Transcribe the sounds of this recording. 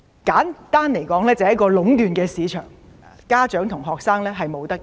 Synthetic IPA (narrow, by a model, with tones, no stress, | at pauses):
kaː˨˥nt̪aː˥nle˨˩jkɔː˨˥ŋlɛː˥t͡sɐ˨˦jɐ˥tkɔː˧lʊ˨˥ŋt̪yː˨nkɛː˧siː˨˧˥t͡ʃʰœ̰ː˨˩ŋ˨ | kaː˥t͡ʃœː˨˥ŋt̪ʰʊ˨˩ŋɦɔː˨k̚saː˥ŋlɛː˥ɦɐ˨jmo˨˧wt̪ɐ˥k̚